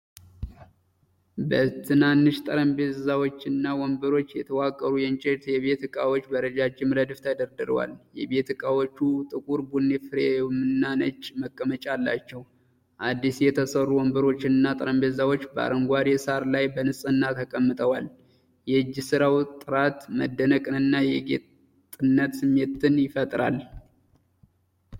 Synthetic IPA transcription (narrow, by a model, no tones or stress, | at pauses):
bət̪ʰɨnanːɨʃt̪ʼəɾəmbezawot͡ʃːɪnːawɔmbɨɾo̞t͡ʃːjɛt̪ʰəwakʼːəɾujɛnt͡ʃʼeɾt̪jɛβe̞t̪ɨkʼawo̞t͡ʃːbəɾəd͡ʒat͡ʃːɪmɾəd̪ɨft̪ʰəd̪əɾd̪ɨɾə̰wa̰ljɛbe̞t̪ɨkʼawot͡ʃːut̪ʼɨkʼuɾbunːefɨɾemɨnːanət͡ʃːməkʼːəmət͡ʃʼalːat͡ʃːɛw | ʔad̪ːisjɛt̪ʰəsərːuwɔmbɨɾo̞t͡ʃːɪnɨnːat̪ʼɨɾəmbezawot͡ʃːbəa̰ɾəŋɡʷaɾjɛsaɾlajbənɨsʼɨnːat̪ʰəkʼəmːɨt̪ʼəwal | jɛɨd͡ʒːsɨɾawt̪ʼɨɾat̪məd̪ːənəkʼɨnɨnːajɛɡḛt̪ʼ | ɨnːət̪sɨmːet̪ːɨnjɪfət̪ʼɾa̰l